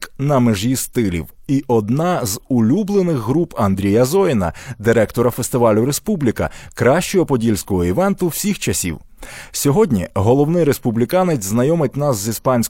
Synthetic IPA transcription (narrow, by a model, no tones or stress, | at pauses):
knɐmeʒʲist̪ɪlʲḭwiʔɔd̪nɑzʊlʲublˠenɪɣɦɾupɐnd̪ɾʲijɐzɔjɪnɐ̰d̪ɪɾɛkt̪ɔɾɐfest̪ɪʋɑlʲʊɾe̞spublʲikɐ̰kɾɑʃt͡ʃɔɦɔpɔdʲilʲsʲkɔɦɔiʋɛnt̪ʊwsʲixt͡ʃɐsʲḭw | sʲɔɦɔdʲnʲḭɦɔlˠɔwnɪɾe̞spublʲɪkɑnet͡sʲznɐjɔmɪt̚ʲnɑszʲispɑnʲsʲk